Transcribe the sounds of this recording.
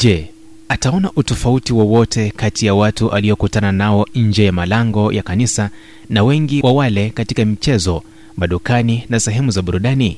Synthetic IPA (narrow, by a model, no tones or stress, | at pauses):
ʄɛ | ataɔnaʔutɔfautiwɔwɔtʰɛkatijawatuʔaliɔkutananaɔɲ̩d͡ʒɛjamalaŋɡɔjʔakanisa | nawɛŋɡiwawalɛkatikamit͡ʃɛzɔ | maɗukaninasɛɦɛmuzaɓuɾuɗani